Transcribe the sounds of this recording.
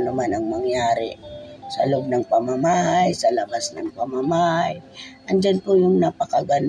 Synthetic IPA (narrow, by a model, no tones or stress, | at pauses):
nʊmanɐŋmɐŋjaːɾɪ̰sɐlob̚nɐŋpɐmamaːhajsɐlɐbasnɐ̰ŋpɐmamaːhajʔɐnd͡ʒanpʊjʊŋnapɐkɐɡɐn